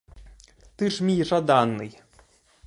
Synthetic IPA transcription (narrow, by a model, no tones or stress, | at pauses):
t̪ɨʂmʲijʐad̪anːɨ̰j